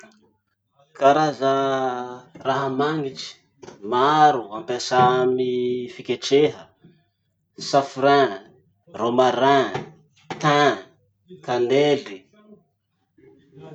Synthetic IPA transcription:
kaɾazə | raɦəmaŋiʈ͡ʂi̥ | maaɾuampesamifikeʈ͡ʂeɦə | safuɾã | romaɾã | t̪ã | kaneli

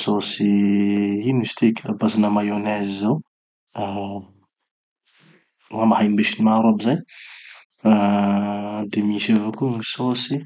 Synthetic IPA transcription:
sosi | inist̪ʰikabasinamajonezzew | wamahambeʃinmaɾobizaj | a | d̪emisevakuŋisosi

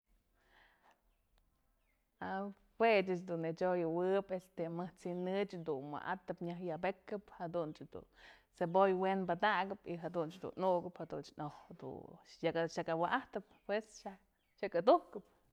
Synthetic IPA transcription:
a | fwet͡ʃat͡ʃd̪unet͡ʃojɨwɨpest̪emɨht͡sinɨt͡ʃd̪unma̰ʔa̰t̪ɨpɲahjabekɨphad̪unt͡ʃd̪ṵnsebojwenbad̪aɡɨpiɦad̪unt͡ʃd̪ṵnnuʔɡɨphad̪unt͡ʃnohd̪ṵjakaʃakawaʔaht̪ɨp̚pwesʃa | ʃakad̪uhkɨp̚

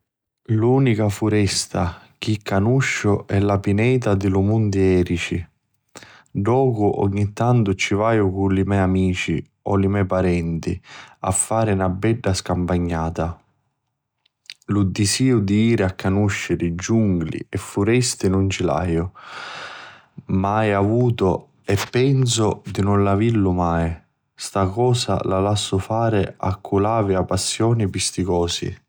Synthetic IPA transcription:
luːnikafuɾɛst̪a | k̟ikːanuʃːʊʔɛlapinɛːt̪ad̪ɪlumund̪iɛːɾit͡ʃi | ɖɔːkʊʔɔ̰ɲːit̪ːant̪ʊt͡ʃːivaːjʊkulimɛjamiːt͡ʃḭ | ɔlimɛpaɾɛnt̪ḭa̰fːaːɾɪnabːɛɖːaskampaɲːaːt̪a | lud̪isiːʊd̪iiːɾɪakːanuʃːɪɾɪd͡ʒuŋɡlḭɛfːuɾɛst̪inʊnt͡ʃila̰ːjʊ | majavuːt̪ʊ | ɛpːɛns̬ʊd̪inʊnlavilʊmaːj | st̪akɔːsa̰lalasːʊfaːɾɪa̰kʰːulaːviapːasːjɔːnipist̪ikɔːsḭ

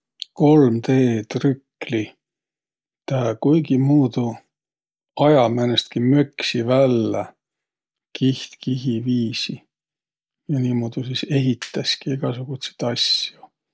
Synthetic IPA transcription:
ko̞lmt̪eːt̪rykli | t̪ækujɡ̥imuːd̪̥u | ɑjɑmenest̪kimøksivælːe | kiht̪kiɦiviːsi | jɑniːmuːd̪̥usise̞ɦit̪ːˑɑskieɡ̥ɑsuɡ̥ut̪se̥t̪ɑsju

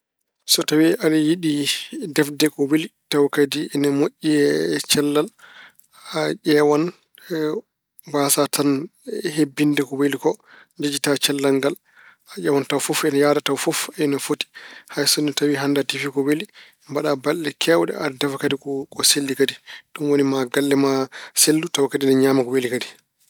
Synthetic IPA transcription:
sɔtawiʔalɛjiɗidɛfdɛkɔwelitawkadiɛnamoʔːiɛt͡ʃɛlːal | aʔɛwan | basatʰanhebːindɛkɔwelikɔ | d͡ʒed͡ʒitat͡ʃɛlːaŋɡal | aʔɛwantawfofɛnajaːdatawfofɛnafoti̥hajsɔnɛtawiɦandatifikɔweli | mbaɗabalɗɛkʰɛwɗɛ̰aɾdɛfakadikkɔselːikadiɗɔnwonimaɡalːɛmaselːutawkadinɛɲaːmakɔwelikadi

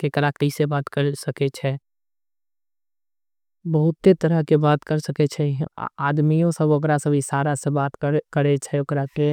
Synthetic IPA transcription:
kekəɾaːkisebaːt̪kəɾsəket͡ʃʰɛ | bəɦʊt̪ːet̪əɾəɦkebaːt̪kəɾsəket͡ʃʰɛ̰aːd̪mijõsəbʊkɾasəbʱisaːɾasebaːt̪kəɾet͡ʃʰɛokɾake

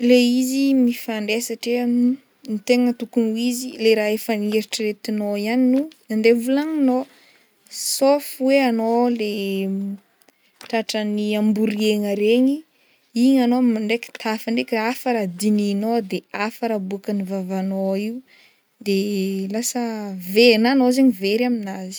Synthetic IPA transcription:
leizimifaɳɖ͡ʐesaʈ͡ʂe | nit̪eŋət̪ukunuizileɾaefənieɾiʈ͡ʂəret̪inoianinunand̪evulaŋino | sofweanole | ʈ͡ʂaʈ͡ʂəniambuɾieŋəɾeɲi | iɲanomaɳɖ͡ʐeki̥t̪ʰafəɳɖ͡ʐekʲaafəɾad̪ininod̪eafəɾabuakənivavanoiwu | d̪elasəvenanozeɲiveɾaminazi̥

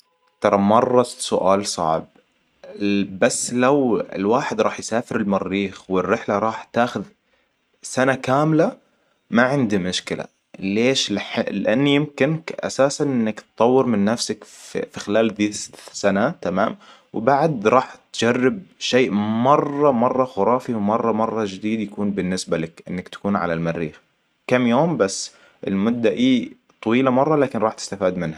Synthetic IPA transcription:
t̪ɑɾˤɑmɑrˤːɑsʊʔa̰ːlsˤɑ̰ʕb̚ | basːlawɪ̰lwaːħɪd̪ɾˤɑːħjsaːfɪɾɪlmɑrːiːxwɪrːɪħlaɾˤɑːħt̪aːxʊð | sanakaːmla | maʕɪnd̪imʊʃkɪla̰ | leːʃlħɪlɪʔanːijɪmkɪnkʔa̰saːsanʔɪnːakt̪t̪ˤːɑwːɪɾmɪnːafsakfixɪlaːlðiːsanat̪ama̰ːm | wbaʕd̪ɾˤɑːħt̪d͡ʒarːɪb̚ʃeːʔmɑrˤːɑmɑrˤːɑxʊɾˤɑːfiwmɑrˤːɑmɑrˤːɑd͡ʒɪd̪iːd̪jakuːnbɪnːɪsbalakʔɪ̰nːakt̪ḁkuːnʕa̰lalmarːiːx | kamːjoːmbasː | ʔɪ̰lmʊd̪ːaʔiː | t̪ˤːɑwiːlamɑrˤːɑlaːkɪnɾˤɑːħt̪ɪ̥st̪afiːd̪mɪnha

